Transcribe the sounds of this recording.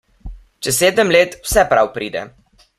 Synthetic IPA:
t͡ʃɛseːd̪əmleːt̪wsɛpɾawpɾiːd̪ɛ̰

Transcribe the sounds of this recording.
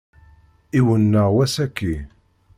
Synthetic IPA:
iwənːəʁwæsækːi

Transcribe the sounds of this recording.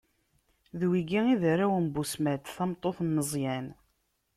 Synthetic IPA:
ðwiɡiiðɾawəmbusmæd̪θɑmt̪ˤːoθnːəzˤjæn

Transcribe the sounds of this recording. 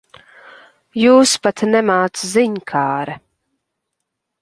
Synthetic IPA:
juːspat̪nɛmaːt̪sziɲkʰaːɾɛ

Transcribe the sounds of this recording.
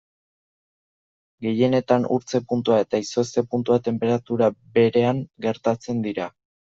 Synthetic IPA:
ɡe̞je̞ne̞t̪anuɾt͡se̞punt̪uae̞t̪aiso̞st̪e̞punt̪uat̪e̞mpe̞ɾat̪uɾabe̞ɾe̞aŋɡe̞ɾt̪at͡se̞nd̪iɾa

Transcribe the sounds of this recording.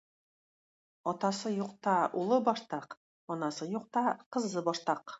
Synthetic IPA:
ɒt̪ɑsɤjuqt̪ɑulˠɤbɒʃt̪ɑq | ɒnɑsɤjuq̚t̪ɑqɤ̆zːɤbɒʃt̪ɑq

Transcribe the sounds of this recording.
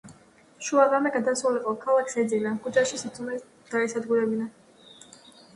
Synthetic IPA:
ʃuaʁamɛɡad̪asɾuliqʼɔkʰalˠakʰsɛd̪zilamkʰud͡ʒaʃisiumɛ | d̪̥aɛsad̪ɡuɾɛbina

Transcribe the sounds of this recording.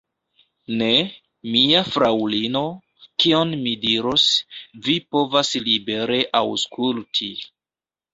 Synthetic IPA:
ne̞ | miafɾawlino̞ | kio̞nmidiɾosvipo̞vaslibe̞ɾe̞ʔawskultʰi

